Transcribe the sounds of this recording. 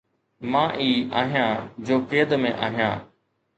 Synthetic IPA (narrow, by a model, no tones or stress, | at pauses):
mãːʔiːaːɦijãːd͡ʑoːkeːəd̪mẽʔa̰ːɦijã̰ː